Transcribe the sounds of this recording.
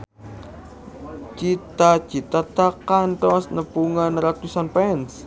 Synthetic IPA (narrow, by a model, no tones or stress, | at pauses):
t͡ʃit̪ḁt͡ʃi̤t̪at̪akanʈ̪ɔsnəpuŋanɾat̪usanpɛns